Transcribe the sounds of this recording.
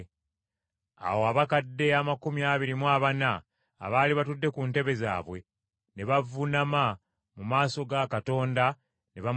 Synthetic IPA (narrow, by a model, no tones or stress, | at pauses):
a̰woaβakadːe̞amakumiaːβiɾimwaβana̰ː | βaːliβatudːe̞kunte̞βe̞za̰ːβwe̞ | ne̞βavunama | mumaːso̞ɡakato̞ːnda | ne̞βa